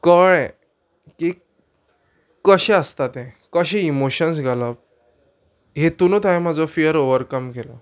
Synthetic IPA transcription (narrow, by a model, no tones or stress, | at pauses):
kəɭɛ̃ | ki | kəɕɛ̃əst̪at̪ɛ̃ | kəɕɛ̃imoɕəns̬ɡʱaləp̚ | ɦet̪unot̪aɦẽm̤ad͡zɔfijəɾoʋəɾkəmkelɔ̰